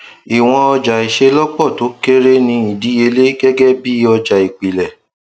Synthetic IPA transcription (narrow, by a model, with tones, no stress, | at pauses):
i˨w̃ɔ̃˧ɔ˧d͡ʒa˨i˨ʃe˧lɔ˦k͡pɔ˦˨to˨˦ke˦ɾe˦nĩ˧i˨di˨˦e˧le˦ɡɛ˦ɡɛ˦bi˦ɔ˧d͡ʒa˨i˨k͡pi˨lɛ˨